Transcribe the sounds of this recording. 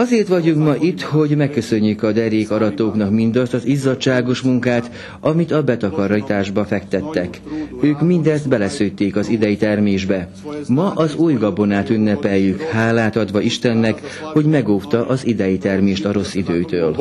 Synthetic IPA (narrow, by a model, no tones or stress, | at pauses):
ɒzeːrt̪ʋɒɟuŋkmɒʔit̪ːho̞ɟmɛkːø̞sø̞ɲːykɒd̪ɛɾjeːkɒɾɒt̪oːknɒkmind̪ɒst̪ɒzizɒt͡ʃːʃaːɡo̞ʃmuŋkaːt̪ | ɒmit̪ɒbɛt̪ɒkɒɾit̪aːʒbɒfɛkt̪ɛt̪ːɛk | øːkmind̪ɛzd̪bɛlɛsøːjt̪eːkɒzid̪ɛjit̪ɛrmeːʒbɛ | mɒʔɒzuːjɡɒbo̞naːt̪ynːɛpɛjːykhaːlaːt̪ɒd̪ʋɒiʃt̪ɛnːɛk | ho̞ɟmɛɡoːft̪ɒʔɒzid̪ɛjit̪ɛrmeːʃt̪ɒɾo̞sːid̪øːt̪øːl